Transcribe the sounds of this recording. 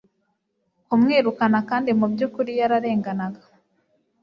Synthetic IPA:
kumŋiːɾukanakaːndimubjuːkuɾijaɾaɾe̞ːŋɡanaɡḁ

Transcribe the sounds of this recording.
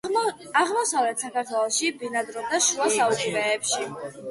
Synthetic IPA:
aʁmɔsavlɛt̪sakʰaɾt̪ʰwɛlˠɔʃibinad̪ɾɔd̪aʃuasaukʼbɛːpʃi

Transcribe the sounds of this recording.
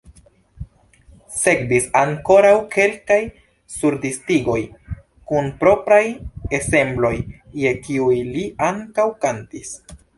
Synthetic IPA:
se̞k̚bisaŋko̞ɾawkʰe̞lkaj | suɾdistiɡo̞j | kunpɾo̞pɾaje̞se̞mblo̞jje̞kiujliaŋkawkantis

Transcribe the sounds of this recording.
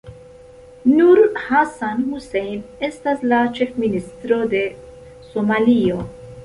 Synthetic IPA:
nuɾhasanhusejne̞staslat͡ʃe̞fministɾo̞de̞ | somalio̞

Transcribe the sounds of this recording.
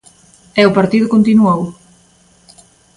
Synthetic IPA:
ɛʊpaɾt̪iðʊkont̪inuow

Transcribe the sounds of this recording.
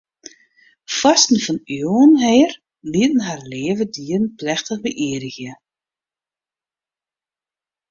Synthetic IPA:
fastn̩fɔnjoənɦɛːr | liətən̩ɦarleːvədiːrənplɛxtəɣbəʔiəɾəɣjə

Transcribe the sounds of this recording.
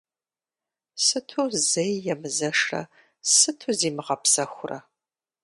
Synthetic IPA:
sɨtʰuːzejːɛmɨzɐʂɐ̰ | sɨtʰuziːmɨʁɐpsɐxʷʊrɐ̰

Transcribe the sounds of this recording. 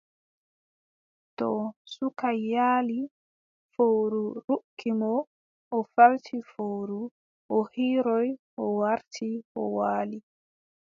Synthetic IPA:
tɔsukajːaːli | fowɾuɾukːimɔ | ʔɔfaltʰifowɾu | ʔɔhiːɾɔjʔɔwaɾtʰiʔɔ̰waːli

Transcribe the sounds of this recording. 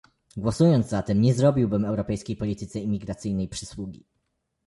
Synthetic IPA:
ɡwɔsujɔnd̪zzat̪ɛmɲɛzɾɔbʲiwbɘmɛwɾɔpɛjskʲejpɔlʲit̪ɘt̪sɛimʲiɡɾat̪sɘjnɛjpʂɘswuɡʲḭ

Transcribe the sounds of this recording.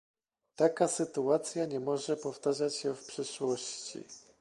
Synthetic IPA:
t̪akasɘt̪uat̪sʲjaɲɛmɔʐɛpɔft̪aʐat͡ɕɕɛfpʂɘʂwɔɕt͡ɕḭ

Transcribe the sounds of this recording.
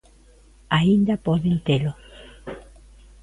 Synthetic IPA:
aind̪apoðent̪elo

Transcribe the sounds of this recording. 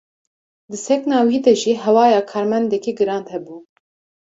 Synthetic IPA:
d̪ɨsɛknɑːwiːd̪ɛʒiːɦɛwɑːjɑːkʰɑːɾmɛnd̪ɛkiɡɨɾɑːnd̪hɛbuː

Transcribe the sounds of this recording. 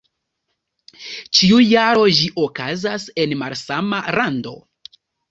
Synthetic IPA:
t͡ʃiujaɾo̞d͡ʒiʔo̞kazase̞nmaɾsamaɾando̞̰

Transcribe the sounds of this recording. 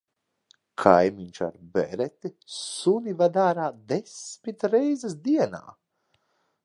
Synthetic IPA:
kʰajmiɲʲt͡ʃa̰ɾbɛ̰ɾɛt̪isunivad̪aːɾaːd̪esmit̪ɾɛjzəs̬d̪iɛna̰ː

